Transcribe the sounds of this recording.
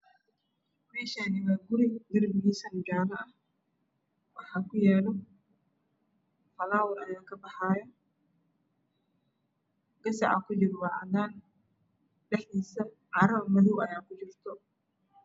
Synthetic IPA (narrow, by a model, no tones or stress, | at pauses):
mɛːʃaːnɪɣaɡʊɾɪd̪ɪrbɪɡisɐnd͡ʒaːmɐʔɐh | wɑħaːkʊjɛːlɔ | fɐlaːwɐɾʔɐ̰jaːkʰɐbɐħaːjɐ | ɡɐsɐ̰ʕa̰kʊd͡ʒɪɾwɑʕɐdaːn | dɛħisɐ | ʕaɾɐβɐmɐðuwɐjaːkʊd͡ʒɪrt̪ʰɔ